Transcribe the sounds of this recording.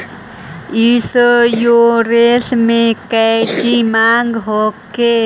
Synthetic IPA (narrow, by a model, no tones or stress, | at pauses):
isjoɾeːsmẽkɛt͡ʃimaːŋɡɦoke